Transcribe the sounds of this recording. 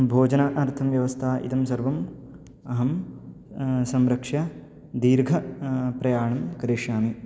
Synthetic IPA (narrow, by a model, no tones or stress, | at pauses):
bʱoːd͡ʒɐnɐʔɐɾt̪ʰɐmʋjɐʋɐst̪ʰaːʔḭt̪ɐmsɐɾʋɐm | ɐɦɐm | sɐmɾɐkʂɐ | d̪iːɾɡʱɐpɾɐjaːɳɐmkɐɾiʂaːmi